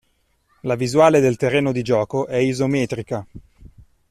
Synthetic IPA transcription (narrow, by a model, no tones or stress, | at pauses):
lavizuaːled̪elt̪erːeːnod̪id͡ʒɔːkoʔɛizomɛːt̪ɾika